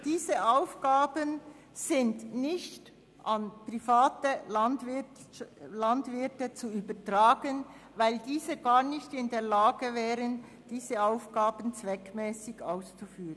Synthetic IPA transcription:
d̥iːzəʔaʊfɡ̥aːbən | z̥ɪndnɪçt | ʔɑnpʁ̥ifaːtəlandvɪ | landvɪɾtət͡suyːbɐtʁaːɡən | vaɪldiːzəɡaːʁnɪçtɪndeːɐlaːɡəvɛːʁən | d̥iːzəaʊfɡ̥aːbən̩t͡svɛkmɛːsɪɡaʊst͡sufyːʁən

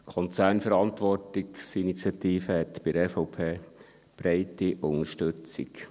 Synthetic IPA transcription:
kʰɔnt͡sæːnfəɾɑntʋɔrtɪksinit͡sjɑt̪iːfəhɛt̪b̥ɪdəɛfɔʊpʰeː | b̥ɾɛɪtiʔʊŋəʃtʏt͡sḭk

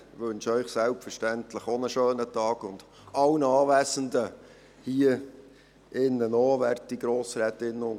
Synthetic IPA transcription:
ʋɵnʃœʏχsɛlpfəɾʃtɛnt̪ləχonəʃøːnətɑːɡ̥ʊnd̪̥ | ɑwnɑːʋæːsəndə | hiə | ʔɪnːənɔːʋɛrtiɡɾoːsɾɛːt̪ɪnːəʊn

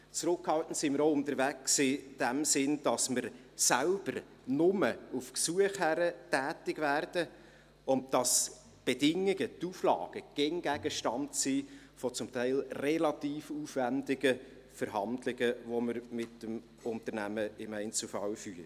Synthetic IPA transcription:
t͡sɾʊkhɑltn̩tsiməɾoʊʊntəɾvæksɪd̥æmsɪnd̥ɑsməɾ | sælb̥əɾ | nʊməufksuəχhæɾətæːtɪɡvæːrd̥ə | ʊnt̚d̥ɑs | b̥edɪŋːɪɡətuːflɑ̰ːɡ̥əɡ̥ɛŋɡ̥æɡ̥əʃtɑntsiː | fɔt͡sʊmtæɪlrɛlɑt̪iːfuːfvændɪɡə | fəɾɦɑndlɪɡəʋoməɾmɪtəm | ʊntəɾnæməɪmɛɪnt͡sl̩əfɑlfyːɾ

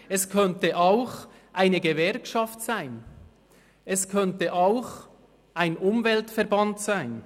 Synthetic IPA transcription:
ɛskʰœntəʔaʊx | ʔaɪnəɡəvɛɾkʃɑftsaɪn | ɛskʰœntəʔaʊx | ʔaɪnʊmvɛltfɛɐɾbɑntsaɪn

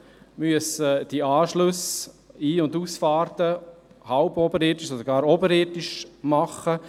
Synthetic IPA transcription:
myəsəd̥iɑːʃlɵs | iːʊnduːsfɑːɾtəhaʊbɔbəɾɪtiʃsodɾɡɑːɾobəɾɪtɪʃmɑχə

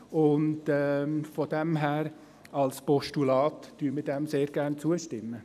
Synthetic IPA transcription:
ʊndɛːfɔd̥ɛmɦæːɾ | ɑlspɔʃtulɑːtd̥yːmɪdɛmseːɾɡ̥æɾnt͡suəʃtɪmːə

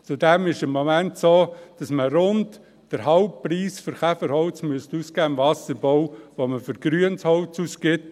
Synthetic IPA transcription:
t͡sudɛmɪʃɪmːomæntsoːd̥ɑsməɾʊnt | d̥əɾɦɑʊp̚priːsfɨɾχæfəɾhɔʊt͡smyəstuskæːɪmvɑsəɾbɔwʋoməfʏɾɡ̥ɾyənshɔʊt͡suskɪt

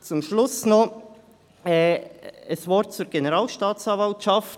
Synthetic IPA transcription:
t͡sʊmʃlʊsnɔ | ɛəsvɔɾtt͡suɾɡ̥enəɾaːlʃtaːt͡sɑnvɑltʃɑft

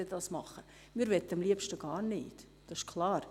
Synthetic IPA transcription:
ədɑsmɑχə | miːɾʋɛt̪ːəɑmliəpʃtəɡ̥ɑːɾnɪːt | d̥ɑɪʃkʰlˠɑːɾ

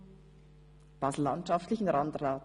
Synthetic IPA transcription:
b̥aːsl̩ːantʃaftlɪçn̩ɾandraːt

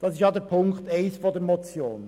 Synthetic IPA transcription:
d̥ɑsɪʃjɑdəpʰʊŋkteɪsfodəmɔt͡sjoːn

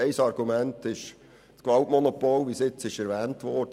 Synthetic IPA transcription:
eɪsɑɾɡ̥umæntɪʃ | skʋɑltmɔnopolʋisɪt͡sɪʃɛɾʋɛːntʋɔːɾd̥ə

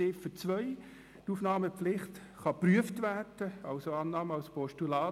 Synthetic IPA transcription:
ɪːfət͡sʋœʏ | tuːfnɑːməpflɪχt | χɑpryəftvæːrd̥əɑlsoɑːnɑːməɑlspɔʃtulɑː

